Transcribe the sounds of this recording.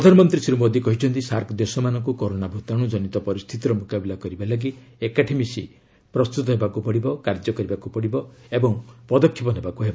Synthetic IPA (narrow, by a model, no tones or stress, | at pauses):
pɾɔd̪ʱanɔmɔnt̪ɾisiɾumɔd̪ikɔɦit͡ʃʰɔnt̪isaɾkd̪esɔmanɔŋkukɔɾonabʱut̪aɽ̃ud͡ʒɔnit̪ɔpɔɾist̪ʰit̪iɾɔmukabilakɔɾibalaɡi | ekaʈʰemisḭ | pɾɔst̪ut̪ɔɦebakupɔɽibɔkaɾd͡ʒɔkɔɾibakupɔɽibɔebɔŋpɔd̪ɔkʰːipɔnebakuɦeba